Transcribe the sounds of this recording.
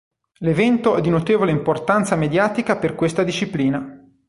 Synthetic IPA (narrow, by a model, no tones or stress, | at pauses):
levɛnt̪oɛd̪ːinot̪eːvoleimport̪ant̪samed̪jaːt̪ikaperkwest̪ad̪iʃːipliːna